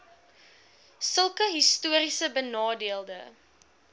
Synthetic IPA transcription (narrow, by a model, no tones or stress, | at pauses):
səlˠkəɦistuəɾisəbənɑːdiəlˠdə